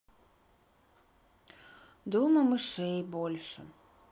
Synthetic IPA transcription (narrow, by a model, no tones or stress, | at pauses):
d̪uməməʃejbolʲʃə̰